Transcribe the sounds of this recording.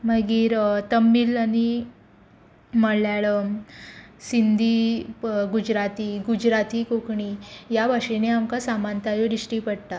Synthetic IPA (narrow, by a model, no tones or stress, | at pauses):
məɡiːɾt̪əmːiːlani | məljaɭə | sind̪ʱi | ɡud͡ʑɾat̪iːɡud͡ʑɾat̪iːkokɳijabʱaʂeneamkasamant̪ajoɾiʂʈipəɽt̪a